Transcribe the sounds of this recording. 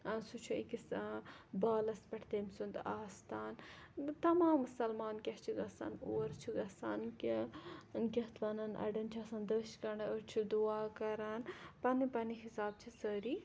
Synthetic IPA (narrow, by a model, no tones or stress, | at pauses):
ɐnsut͡ʃʰuikisbaːlɐspɐʈʰt̪eːmsund̪aːst̪aːnt̪ɐmaːmːusɐlmaːnkʲɐht͡ʃʰiɡɐsa̰ːnoːɾt͡ʃʰiɡɐsaːnk | kʲɐht̪ʰʋɐnɐnʔɐ̰ɖɐnt͡ʃʰɐːsɐːnd̪əːʃkɐɳɐəɾt͡ʃʰid̪uaːkɐɾɐnpɐnipɐniɦisaːb̚t͡ʃʰisəːɾiː